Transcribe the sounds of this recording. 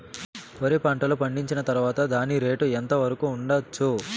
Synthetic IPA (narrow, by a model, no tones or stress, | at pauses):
oɾipɐɳʈɐlupɐɳɖiɲt͡ʃinɐt̪ɐɾuʋaːt̪ɐd̪aːniɾe̞ːʈuent̪ɐʋɐɾɐkuːɳɖɐt͡ʃːu